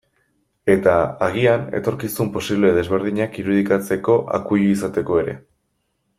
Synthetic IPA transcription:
e̞t̪aaɣiane̞̰t̪o̞ɾkisumpo̞siβle̞ðezβe̞ɾð̞iɲakiɾuð̞ikat͡se̞ko̞ʔa̰kujuisat̪e̞ko̞e̞ɾe̞̰

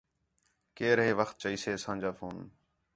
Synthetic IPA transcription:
keːɾɦeːʋəxt̪̚t͡ʃəiːseːsãːd͡ʒaːfoːn

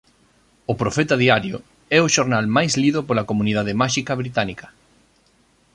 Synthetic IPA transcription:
ʊpɾofɛt̪aðiaɾjo̰ | ɛʊʃoɾnalmajsliðʊpolɐkomuniðað̞emaʃikɐβɾit̪anikɐ̥

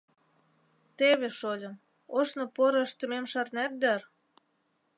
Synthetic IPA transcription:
t̪eβeʃolʲə̆m | oʃnŏpoɾəəʃt̪ə̆memʃɑrnæt̪̚d̪ær

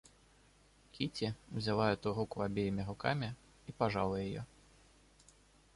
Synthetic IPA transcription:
kʲʰit͡sʲiwzʲalˠajɛt̪uɾukuabʲejimʲiɾukamʲi | ipaʐa̰lˠɐjajɔ̰

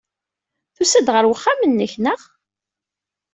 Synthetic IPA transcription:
θusæd̪ʁəɾwəχːamənːəçnəʁ

